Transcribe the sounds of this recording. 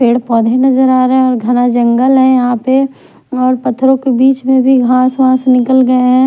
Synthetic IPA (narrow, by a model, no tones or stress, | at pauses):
pʰeːɽpɔːd̪ʱenɐzəɾaːɾɦɛ̃ɔːɾɡʱɐnad͡ʒɐ̃ŋɡəlɦɛ̃jɐɦãpe | ɔːɾpɐt̪ʰːɾõkebiːt͡ʃmẽbʱiɡʱãːswãːsnɪkəlɡɐeɦɛ̃